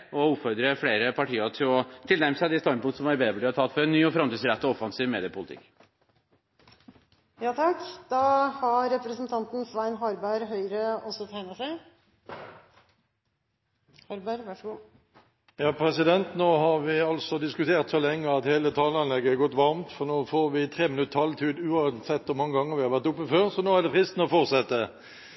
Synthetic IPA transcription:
ʔɔʊpfɔɾd̪ɾəfɽeːɾəpʰɑʈʰiːɑt̪ʰɪlɔt̪ʰɪlnæɾməsd̪ɪst̪ɑpʊŋt̪sɔmɑɾbeːd̪bəɭiːɑt̪ʰɑlt̪fɔɾɛnːyːɔfɾɑmt̪iːsɾɛt̪ːɔɔfɑnsiːʋmeːd̪ɪəpʰʊlɪt̪ʰɪ̰kː | jɑːt̪ʰɑkːd̪̥ɑhɑɾɛpɾəsnt̪ʰɑnt̪n̩sʋæɪnɦɑɾbæɾɦœʏɾəɔsɔt̪ʰæɪnəsæɪ | hɑɾbæɾʋɑʂɡuː | jɑːpʰʁɛsɪd̪ɛnt̪noːhɑʁʋɪɑlsɔd̪ɪskʉt̪ʰeːʁt̪soːlɛŋːəɑt̪heːlət̪ʰɑːlɑnlɛɡəæɡɔt̪ːʋɑʁmt̪fɔʁnoːfoːʁʋɪt̪ʰʁeːmɪnʉt̪ːʰɑlt̪ʰiːd̪ʉːɑsɛt̪ːʋʊmɑŋːəɡɑŋːəʁʋɪhɑʁʋæʁt̪ʊpːəføːʁsɔnoːæʁd̪ɛfʰʁɪst̪n̩ɔfɔʁt̪sɛt̪ːə

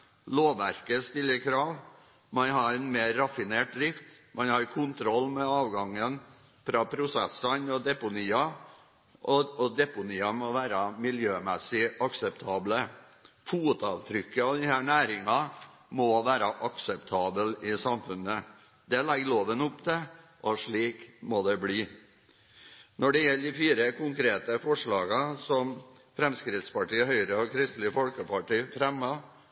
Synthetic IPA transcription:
loːʋːæɾkəst̪ɪlːəkʰɾɑːʋ | mɑnhɑɾɛnmeːɾːɑfɪneːʈɾɪft̪mɑnhɑɾkʰʊnt̪ʰɾɔlːmɛɑːʋɡɑŋːən | fɾɑpʰɾʊsɛsənɔd̪ɛpʊniːɑ | ʔɔɔd̪ɛpʊniːɑmɔʋæːɾɑmɪljøːmɛsɪɑksɛpt̪ʰɑːblə | fuːəd̪ɑːʋt̪ʰɾʏkːəɑʋd̪ɪhæːɳæːɾɪŋɑ | mɔʋæːɾɑʔɑksɛpt̪ʰɑːbəlɪsɑmfʉnə | d̪ɛlɛɡloːʋənʊpːd̪ʰɛ | ʔɔʂɭiːkmɔd̪ɛbliː | nɔɖɛjɛlːɪfiːɾəkʊŋkʰɾeːt̪əfɔʂɭɑːɡɑsɔm | fɾɛmskɾɪt̪spɑʈiːɦœʏɾəɔkʰɾɪst̪lɪfɔlkəpʰɑʈiːfɾɛmːɑ

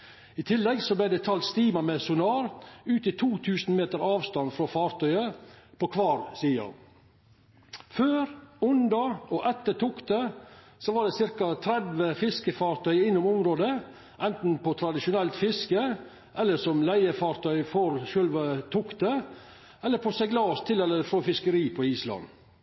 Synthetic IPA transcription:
ɪt̪ʰɪlːɛɡsɔblæɪd̪ɛt̪ʰɑlt̪st̪iːmɑmɛsʊnɑːɾʉːt̪ɪt̪ʰuːt̪ʰʉːsnmeːt̪əɾɑːʋst̪ɑnfɾoːfɑːɾt̪ʰœʏəpʰɔkʰʋɑːɾsiːɑ̰ | føːɾʊnd̪ɑɔʔɛt̪ːət̪ʰʊkt̪ə | soːʋɑːɖɛsɪɾkɑt̪ʰɾɛd̪ʋəfɪskəfɑːɾt̪ʰœʏɪnːʊmʊmɾoːd̪ə | ʔɛnt̪n̩pɔt̪ʰɾɑd̪ɪʃʊnɛlt̪fɪskə | ʔɛlːəʂɔmlæɪəfɑːɾt̪ʰœʏfɔɾʃøːlʋət̪ʰʊkt̪ə | ɛlːəɾpʰɔsɛɡlɑːst̪ʰɪlɛlːəɾfɾofɪskəɾiːpʰɔiːslɑ̰n

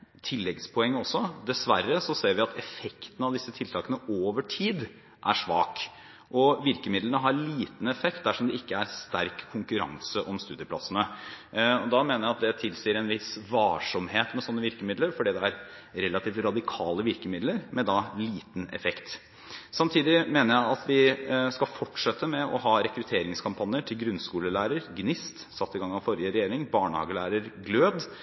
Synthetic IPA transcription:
t̪ʰɪlːɛɡspʰɔɛŋːəɔsːɔd̪ɛsʋærːəsɔseːɾʋɪɑt̪ʰɛfɛkt̪ən̩ɑʋd̪ɪsːət̪ʰɪlt̪ʰɑːkənəoːʋəʈʰiːd̪ | ʔæʂʋɑ̰ːk | ʔɔʋɪɾkəmɪd̪lənəɦɑɾliːt̪n̩ɛfɛkt̪̚d̪æʂɔmd̪ɛɪkːəæɾst̪æɾkʰːʊŋkʉɾɑ̰ŋsəʔɔmst̪ʉːd̪jəpʰlɑ̰sənə | ɔd̪ɑmeːnəɾjæɑt̪̚d̪ɛt̪ʰɪlsiːɾɛnʋɪsʋɑːʂɔmheːt̪mɛsɔnːəʋɪɾkəmɪd̪ləɾfɔɖiːd̪ɛæɾ | ɾɛlːɑt̪ʰiːft̪ɾɑd̪ɪkʰɑːləʋɪɾkəmɪd̪ləɾmɛd̪ɑliːt̪n̩ɛ̰fɛkt̪ | sɑmt̪ʰiːd̪ɪmeːnəɾjæɪɑt̪ʰʋɪskɑlfɔʈːʂɛt̪ːəmɛʔɔ̰hɑːɾɛkɾʉt̪ʰeːɾɪŋskʰɑmpʰɑnɪəʈʰɪlɡɾʉnskuːləlæːɾəɾɡnɪst̪sɑt̪ːɪɡɑŋːɑʋfɔɾɪəɾɛjeːɾɪŋbɑːɳəhɑ̰ːɡəlæːɾəɾɡløːd̪

